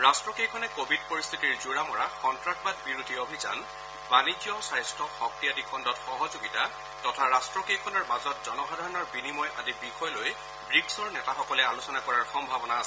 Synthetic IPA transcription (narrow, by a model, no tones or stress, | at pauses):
ɹastɹɔkejkʰɔnɛkobʱid̚poɹist̪ʰitiɹzuɹamɔɹakɔntɹak̚bat̚biɹudʱiobʱiza̰n | banid͡ʒjɔsajstʰɔkxɔk̚tijadikʰɔndɔtxɔɦɔzoɡita | tɔtʰaɹastɹɔkejkʰɔnɔɹmazɔt̚zɔnɔxadʱaɹɔnɔɹbinimɔjʔadibixɔjloj | bɹiɡsɔɹnɛtaxɔkɔlɛalusɔnakɔɹaɹxɔmbʱabɔnaːs